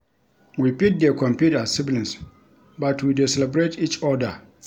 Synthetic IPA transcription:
wipit̚dɛkʰɔ̃mpjutasiblɛ̃ns | batʰwidɛsɛlɛbɹetit͡ʃɔda

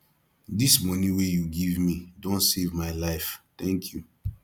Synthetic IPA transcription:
dismɔniwejuɡivmidõntsevmaɪlaɪft̪ɛ̃ŋkʰju

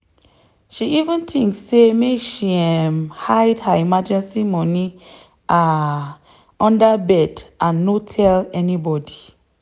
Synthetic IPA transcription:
ʃiivə̃ntʰĩŋksːemekʃiɛmhajdhaimad͡ʒɛ̃nsimɔ̃ni | ʔa | ɔ̃ndabɛdʔãnːotʰɛlɛnibɔdi

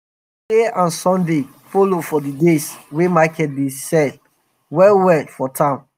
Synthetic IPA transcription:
deãnsɔ̃nde | folofɔdideswemakɛt̚besɛd | wɛwɛdfɔtʰãn

